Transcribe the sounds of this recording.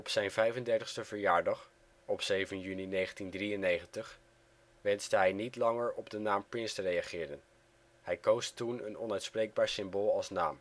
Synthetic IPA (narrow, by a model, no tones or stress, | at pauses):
ɔpsɛjnvɛjvəndɛɹtəχstəv̥əɹjaːɹdɑχ | ɔpsejvənjyninejχəntindriənːejχəntəχ | ʋɛnzdəɦɛjnitlɑŋəɹɔbdənaːmprɪnstərejaχɪːɾən | hɛjkowstunə̰nɔnœɥtsprejɡ̚baːɹsɪmboːlˠɑlˠsna̰ːm